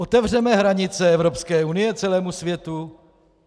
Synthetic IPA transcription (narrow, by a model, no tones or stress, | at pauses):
ʔot̪ɛvr̝ɛmɛɦɾaɲɪt͡sɛɛvɾo̞pskɛːunɪjɛt͡sɛlɛːmusvjɛt̪u